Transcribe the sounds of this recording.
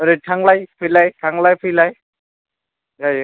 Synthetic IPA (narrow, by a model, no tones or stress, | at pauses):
ɾeʈʰaŋlajpʰɯjlajtʰaŋlajpʰɯjlaj | ɡaj